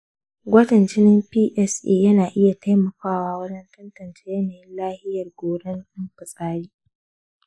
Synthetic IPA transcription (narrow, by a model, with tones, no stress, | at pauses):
ɡʷɐ˦tɐ˨nt͡ʃɪ˦nɪ˦mpiː˦ʔɛ˦sʔeː˦˨jɐ˦naː˨ʔɪ˦ja˨tʰa˦jmɐ˨kaː˦waː˦wɐ˦d͡ʒɛ˦ntɐ˦ntɐ˨nt͡ʃe̥ː˦jɐ˦naː˨jɪ˦nlaː˦hɪ˦jɐ˨rɡʷoː˨ɽɛ˦ŋʔɪ˦mɸɪ˨sʼaː˦ɽiː˦